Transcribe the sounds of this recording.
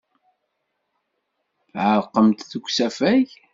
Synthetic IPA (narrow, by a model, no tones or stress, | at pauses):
θʕəɾqːəmt̪θəkʷːsæfæʝ